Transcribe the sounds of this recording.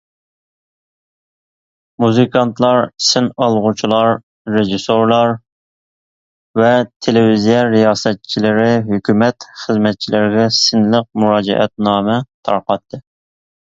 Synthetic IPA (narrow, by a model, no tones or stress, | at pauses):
muzɨkʰɑnt̪ʰlˠɑɾsɪnɑlˠʁut͡ʃʰilˠɑɾː | eʒisoɾlˠɑɾ | vɛt̪ʰelɪvizijɛɾijɑːsɛt̪̚t͡ʃʰilɪɾɪɦykʲʰymɛt̪χəzmɛt̪̚t͡ʃʰilɪɾɡʲɛsɪnləq̚muɾɑːd͡ʒɛ̰ʔɛ̰t̪̚nɑːmɛt̪ʰɑ̰ɾqɑt̪ʰːɨ